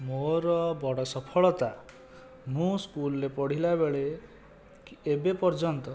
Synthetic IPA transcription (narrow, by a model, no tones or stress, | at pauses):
moɾɔbɔɽɔsɔpʰɔɭɔt̪a | mũskulɔɾepɔɽ̤ilabeɭe | ebepɔɾd͡ʒɔnt̪ɔ